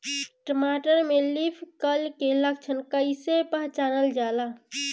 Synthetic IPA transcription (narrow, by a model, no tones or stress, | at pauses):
ʈəmaʈəɾmelipʰkəlkeləɡ̚t͡ʃʰənkəɪsepəɦt͡ʃaːnəld͡ʒala